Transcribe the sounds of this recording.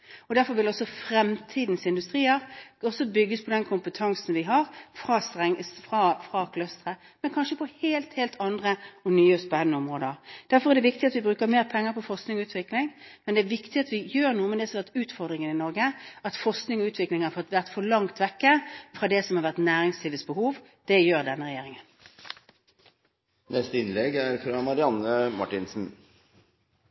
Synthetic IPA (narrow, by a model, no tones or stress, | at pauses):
ɔd̪æɾfɔɾʋɪlɔsɔfɾɛmt̪ʰiːd̪n̩sɪnd̪ʉst̪ʁiːəʁɔsːɔbʏɡːəspʰɔd̪ɛnkʰʊmpət̪ʰɑŋsn̩ʋɪɦɑɾfɾɑsʁɛŋfʁɑfʁɑkʰlœst̪ʁə | mɛnkʰɑnʃəpʰɔheːlt̪heːlt̪ʰɑnd̪ʁəɔnyːəspɛnːənəɔmʁoːd̪əɾd̪̥æɾfɔɾɛʁd̪ɛʋɪkt̪ɪɑt̪ʋɪbɾʉːkəmeːʁpʰɛŋːəɾpʰɔfɔsknɪŋɔʉːt̪ʋɪklɪŋmɛnd̪ɛæʋɪkt̪ɪɑt̪ʋɪjøːʁnuːəmɛd̪ɛsɔhɑʋæʁt̪ʉːt̪fɔʁd̪ʁɪŋənɪnɔɾɡəʔɑt̪fɔsknɪŋɔʉːt̪ʋɪklɪŋhɑfɔt̪ʋæʁt̪fɔɭɑŋt̪ʋɛkːəfʁɑd̪ɛsɔmhɑɾʋæʁt̪næːɾɪŋslɪːʋəsbəhuːʋ | d̪̥ɛjøːɾd̪ɛnːəʁɛjeːɾɪŋən | nɛst̪əɪnlɛɡæɾfɾɑmɑɾɪɑnəmɑ̰ʈɪnsn̩